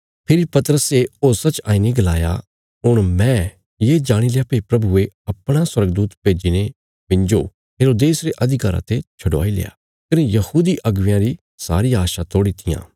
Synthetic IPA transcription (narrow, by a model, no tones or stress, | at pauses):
pʰɪɾipɐt̪əɾəseoːsat͡ʃaːineɡɐlaːja̰ | ɦʊɽ̃mɛ̃ | jeːd͡ʒaːɽ̃ilejapepɾɐbueɐpɽ̃aswɐɾɡ̚d̪uːt̪peːd͡ʒine | bɪ̃nd͡ʒo | ɦeːɾoːd̪eːsɾeʔɐd̪ʱɪkaːɾã̰t̪et͡ʃʰɐɖoa̰ːilḛːja̰ː | kɐnejɐhuːd̪iʔɐɡʋɪjãɾi | sa̰ːɾijaːʃat̪oːɽit̪ʰɪjã̰ː